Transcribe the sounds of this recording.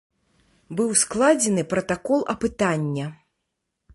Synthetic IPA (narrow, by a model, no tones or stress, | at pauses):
bɨwsklˠad͡zʲɛnɨpɾɐt̪akɔlˠɐpɨt̪anʲːɐ